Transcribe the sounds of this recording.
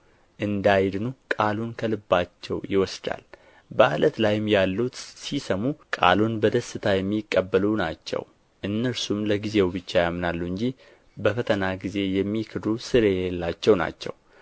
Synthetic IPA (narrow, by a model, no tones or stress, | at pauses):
ʔɨnd̪ajd̪nukʼalunkʰəlɨbːat͡ʃːɛ̰wjɪwɔsd̪a̰l | bəalət̪lajɪmjalːut̪sisəmukʼa̰lunbəd̪əsːɨt̪ʰajɛmːikʼːəbːəlunat͡ʃːɛ̰w | ʔɨnːəɾsumləɡize̞wbɨt͡ʃːajamːnalːuɨɲd͡ʒi | bəfət̪ʰənaɡize̞jɛmːikʰɨd̪usɨɾe̞elːat͡ʃːɛwna̰t͡ʃːɛ̰w